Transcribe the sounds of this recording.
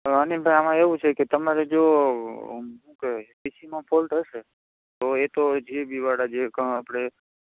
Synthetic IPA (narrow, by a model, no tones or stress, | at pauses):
ənibʱajamãeʋũt͡ʃʰeket̪əmaɾed͡ʒo | ɦũked̪isimãpʰolʈɦəʃe | t̪oet̪od͡ʒʱiebʱiʋaɽad͡ʒekə̃apɽ̃e